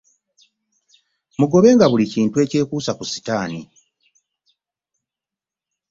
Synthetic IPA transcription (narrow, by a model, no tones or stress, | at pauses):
muɡo̞βe̞ːŋɡaβuliciːntue̞ːce̞ːkuːsakusi̥taːni